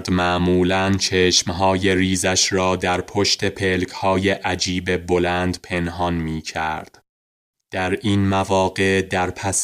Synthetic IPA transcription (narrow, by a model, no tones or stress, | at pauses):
d̪mæʔmuːlænt͡ʃʰeʃmɦɒːje̞ɾiːzæʃɾɒːd̪æɾpʰoʃt̪ʰe̞pʰelkʰhɒːjeʔæd͡ʒiːbe̞bolænd̪pʰe̞nɦɒnmiːcʰæ̰ɾd̪̥ | d̪̥æɾʔiːnmævɒːɡe̞ʔd̪æɾpʰæs